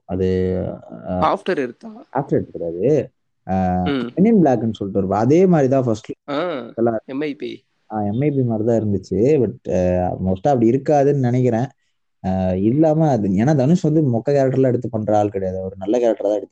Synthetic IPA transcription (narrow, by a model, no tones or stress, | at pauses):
ɐðɯ | aːfʈɐɾɪɾɯt̪ːaa̰ːfʈɐɾeɾt̪ːɯkːʊɽaːðɯ | ɛnɪnblaːkːɛnːɯsɔlːʈːɯɪɾɯpaɐðeːmaːd̪ɾit̪ãːfɐsʈasɐlːaɛmɐɪpḭ | aːɛmɐɪpimaːɾt̪ãːɪɾɯnd̪ɯt͡ʃːɯbɐʈmoːsʈãːɐpːɐɽiɪɾɯkːaːðɯnːɯnɪnɛk̬ːɪɾẽː | ɪlːaːmɐɐɯeːnaːd̪ɐnɯsʋɐnd̪ɯmɔkːɐkaːɾɐk̚ʈɐɾɐlãːɛɽɯt̪ːɯpːɐɳɾaːlkɪɽɐjaːðɯɔɾɯnɐlːɐkaːɾɐkʈɐɾt̪ãːɛɽɯt̪ːɯ